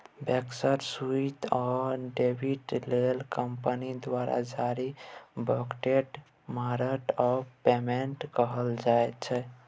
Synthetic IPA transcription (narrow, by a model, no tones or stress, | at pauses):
beksəɾsuit̪ɔɖebʱiʈlelkəmpənid̪waɾa̰d͡ʒaɾibəkʈeʈ | maɾəʈɔpemeɳʈkəɦəld͡ʒaet̪t͡ʃʰɛ